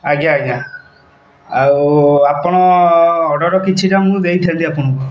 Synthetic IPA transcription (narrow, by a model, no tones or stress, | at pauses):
aɡaːɡa | awapɔɽ̃ɔɔɖɔɽɔkit͡ʃʰiʈamũd̪ejt̪ʰant̪iapɔɽ̃ɔku